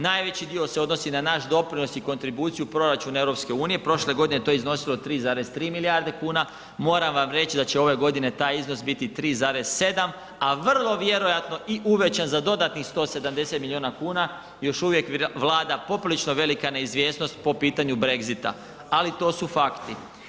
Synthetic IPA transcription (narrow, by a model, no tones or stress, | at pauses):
najʋe̞t͡ɕid̪io̞seo̞d̪nosinanaʃd̪o̞pɾino̞siko̞nt̪ɾibuːt̪sijupɾo̞ɾat͡ʃunaeʋɾo̞pske̞uːnije̞pɾo̞ʃle̞ɡo̞d̪ine̞t̪oizno̞silˠot̪ɾiːzaːɾez̥t̪ɾiːmiliaɾd̪e̞kuːna | mo̞ːɾamʋamɾe̞t͡ɕid̪at͡ɕe̞o̞ʋe̞ɡo̞d̪ine̞t̪aːjizno̞s̬bit̪it̪ɾiːzaːɾe̞z̥se̞d̪am | aʋr̩lˠo̞ʋje̞ɾo̞jat̪no̞ʔiʔuʋe̞t͡ɕanzad̪o̞d̪at̪nixst̪o̞se̞d̪amd̪e̞se̞t̪milʎjioːnakuːna | jo̞ʃuʋje̞kʋlˠaːd̪apo̞pilit͡ʃno̞ʋe̞likane̞izʋjesno̞st̪̚po̞piːt̪aɲubɾe̞ɡzit̪a̰ | alit̪o̞ːsufakt̪i